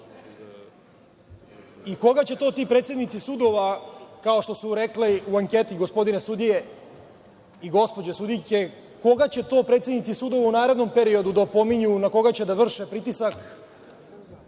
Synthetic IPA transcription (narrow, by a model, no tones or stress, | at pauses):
iko̞ɡat͡ɕet̪o̞ːt̪iːpɾet̪sed̪nit̪sisud̪o̞ʋakao̞ʃt̪o̞suɾekliuaŋket̪iɡo̞spo̞d̪inesud̪ije̞ | iɡo̞spo̞d͡ʑesud̪ijke̞ | ko̞ɡat͡ɕe̞t̪o̞ːpɾeːt̪sed̪nit̪isud̪o̞ʋaunaːɾe̞d̪no̞mpeɾio̞d̪ud̪apo̞miɲunako̞ɡat͡ɕe̞d̪aʋr̩ʃepɾit̪isak